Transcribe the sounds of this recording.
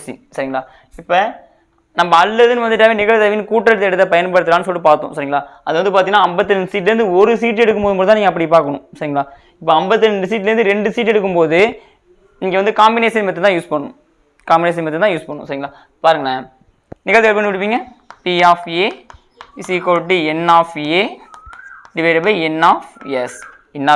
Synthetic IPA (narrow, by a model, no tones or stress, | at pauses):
sḭsɐɾɪŋɡɐɭaː | ɪpːɐ | nɐmːbɐɐlːɐðɯnɯʋɐnd̪ɯʈːaːʋenɪɣɐɭt̪ɐʋinːɯkuːʈːɾɐɽt̪ɛɽɯt̪ːɐpɐjɐnpɐɽɯt̪ɯɾaːnːɯsɔlʈːɯpaːɾt̪ʊ̰̃sɐɾɪŋɡɐɭaːɐðɯʋɐnd̪ɯp̬aːɾiŋɐnːaːɐmbɐt̪ːɯɾɛɳɖsiːʈ̬ːlɐɾnd̪ɯɔɾɯsiːʈ̬ːɛɽɯkːɯmpoːðɯmpoːðt̪ːaːniːŋɐp̬ːɐɽip̬aːɾkɐɳʊ̰̃sɐɾɪŋɡɐɭaː | ɪpːɐɐmbɐt̪ːɯɾɛɳɖɯsiːʈ̬ːlɛɾɯnd̪ɯɾɛɳɖɯsiːʈ̬ːɛɽɯk̬ːɯmpoːðɯ | niːŋɡɐʋɐnd̪ɯkaːmbɪneːsɪnmɐt̪ːɛt̪ãːjuːspɐɳːʊ̰̃ | kaːmbɪneːs̬ɐnmbɐt̪ːɛt̪ãːjuːspɐɳːʊ̃sɐɾɪŋɡɐɭaː | paːɾɯŋɡɐɭɐ | niːkːaːðɯɛlpɐɳːɯʋɪɽɯp̬ːiːŋɡɐ | piaːfeː | sikoːʈːiɛnaːfeː | ɖɪʋɐɪʈɐbɐɛnaːfjɛs | ɛnːaː